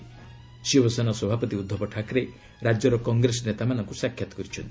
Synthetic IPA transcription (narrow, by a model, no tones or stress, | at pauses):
sibɔsɔnɔsɔbʱapɔt̪iud̪ʱːɔbɔʈʰakɾe | ɾad͡ʒjɔɾɔkɔŋɡɾesɔnet̪amanɔŋkusakʰːjat̪ɔ̥kɔɾit͡ʃʰɔnt̪i̥